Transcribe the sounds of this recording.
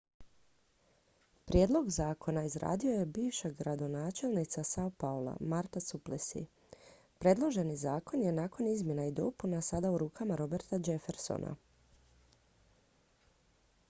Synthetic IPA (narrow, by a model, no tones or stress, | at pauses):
pɾjeːd̪lˠo̞ɡzaːkʰo̞naizɾa̰ːd̪io̞je̞biːʋʃaɡɾad̪o̞naːt͡ʃe̞lnit̪sasaupaolˠa̰maɾt̪asuplesḭ | pɾe̞d̪lˠo̞ʒe̞nizaːko̞nje̞naːko̞nizmje̞naid̪o̞̰punasad̪auɾuːkamaɾo̞be̞ɾt̪ad͡ʒe̞feɾso̰nʔa̰